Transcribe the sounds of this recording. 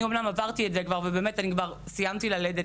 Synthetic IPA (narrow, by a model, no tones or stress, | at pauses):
iomnamavaʁt̪ietzekvaʁvebeːmetanikvaʁsijamt̪ilaled̪e